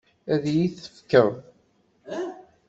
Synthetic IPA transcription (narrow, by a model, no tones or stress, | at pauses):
æðjiθə̥fkəɾˤ